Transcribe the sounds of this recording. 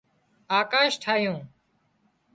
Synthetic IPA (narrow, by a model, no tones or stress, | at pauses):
aːkaːʃʈʰaːjũː